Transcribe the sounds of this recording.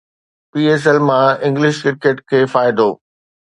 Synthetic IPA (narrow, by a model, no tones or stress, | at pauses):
piːeːs̬ɛlmãɪ̃ŋɡlɪʃkɪɾkeʈkʰeːfaːɪd̪ʱoː